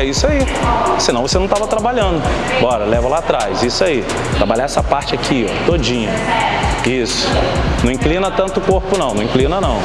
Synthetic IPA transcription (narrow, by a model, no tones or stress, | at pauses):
ɛisʊai | sinɐ̃w̃vosenɐ̃w̃t̪avɐt̪ɾabaʎɐ̃nd̪ʊ̃ | bɔɾɐlɛvɐlaːt̪ɾajzisʊai | t̪ɾabaʎaɛsɐpaɾt͡ʃɪakʰiɔ̰t̪od͡ʒĩɲɐ | isʊ̥nɐ̃ĩklĩnɐt̪ɐ̃nt̪ʊkoɾpʊnɐ̃w̃nɐ̃w̃ĩklĩnɐnɐ̃w̃